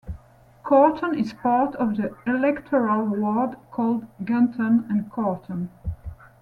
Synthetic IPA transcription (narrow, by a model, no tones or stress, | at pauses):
kʰɑɹtʰə̃nɪz̥pɑɹtɔvðiɪlɛktʰəɹəlˠwɔɹdkʰɔlˠdɡãntʰə̃nɨ̃nkʰɑɹtʰə̃n